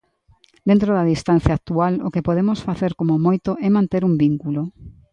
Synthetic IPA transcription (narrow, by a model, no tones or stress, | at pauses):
d̪ent̪ɾoðɐðist̪an̟θjɐːk̚t̪ualo̰kepoðemosfaθeɾkomomojt̪oʔɛmãnt̪eɾumbiŋkulo